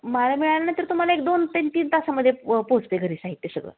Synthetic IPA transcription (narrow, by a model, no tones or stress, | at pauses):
malamiɭalanat̪əɾt̪um̤alaek̚d̪ont̪ent̪iːnt̪asaməd̪ʱːjepod͡zt̪eɡʱəɾiːsaɦit̪ːesəɡɭə̰